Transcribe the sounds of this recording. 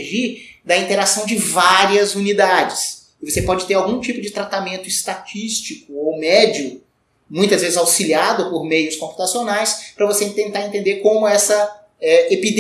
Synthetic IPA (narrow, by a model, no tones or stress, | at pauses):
ʒid̪ɐĩnt̪eɾasɐ̃w̃d͡ʒɪvaɾiɐzunid̪ad͡ʒɪs | ɪvosepɔd͡ʒɪt̪eɾawɡũt͡ʃipʊd͡ʒɪt̪ɾat̪amẽnt̪ʊɪst̪at͡ʃist͡ʃikʊowmɛd͡ʒʊ | mũj̃t̪ɐzvezɪzawsiliad̪ʊpoɾmejʊskõmpu̥t̪asionajspɾɐvosẽt̪ẽnt̪aɾẽnt̪ẽnd̪eɾkõmʊɛsɐ | ɛepid̪